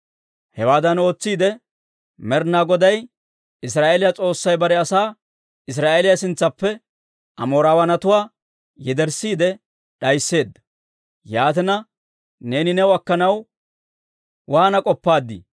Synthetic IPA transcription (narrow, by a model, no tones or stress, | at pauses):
hɛwaːd̪ɐno̞ːt͡sːiːd̪ɛ | mɛɾnaːɡɔd̪ɐj | ɪs̬ɾaːʔelɪjɐt͡sʼo̞ːsːɐjbɐɾɛɐsaː | ɪs̬ɾaːʔelɪjɐsɪnt͡sːɐpːɛ | ʔɐ̰mo̞ːɾaːwɐnɐt̪ʊwaː | jɛd̪ɛɾsiːd̪ɛ | ɗɐjsːe̞ːd̪ːɐ̥ | jaːt̪ɛnɐ | ne̞ːnɪnɛwʊɐkːɐnɐw | waːnɐkʼɔpːaːd̪ːḭ